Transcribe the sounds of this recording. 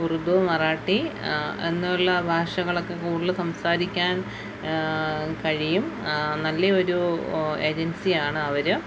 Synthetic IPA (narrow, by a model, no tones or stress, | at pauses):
urud̪omɐraːʈːie̞̰nːuɭːɐbʱaːʂɐɣɐɭo̞kːe̞kuːɽɭːɐsɐmsaːɾikʲːaːn | kɐɻijumnɐlːɐo̞ɾue̞ːd͡ʑensijaːɳɨɐʋɐɾɨ